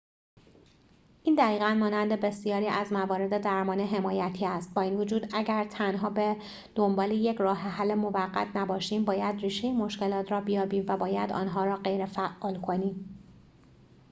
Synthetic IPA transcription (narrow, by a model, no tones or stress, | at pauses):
ʔiːnd̪æɣiːɣænmɒːnænd̪e̞be̞sijɒːɾiːʔæzmævɒːɾe̞d̪ed̪æɾmɒːneɦe̞mɒːjæt̪ʰiːæst̪̚bɒːiːnvod͡ʒuːd̪æɟæɾt̪ʰænɦɒːbe | d̪̥o̞mbɒːlejecʰrɒːɦeɦælːemo̞væɢːæ̰t̪ʰnæbɒːʃiːmbɒːjæd̪riːʃe̞jemo̞ʃce̞lɒːt̪ʰɾɒːbijɒːbiːmvæbɒːjæd̪ɒ̰ːnɦɒːɾɒːɢe̞jɾefæʔɒːlkʰo̞niːm